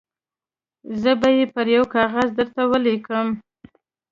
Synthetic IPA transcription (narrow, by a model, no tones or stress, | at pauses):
zəbajepəɾjawkɑɣazd̪əɾt̪awəlekəm